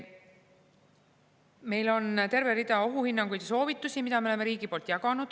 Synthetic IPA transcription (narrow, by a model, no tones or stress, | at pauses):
me̞jlo̞nt̪e̞rveɾid̪ɑo̞ɦuhinːɑŋɡujd̪̥eso̞ːvit̪ːˑusimid̪̥ɑmeole̞meɾiːɡipo̞ːlt̪jɑkɑnud̪̥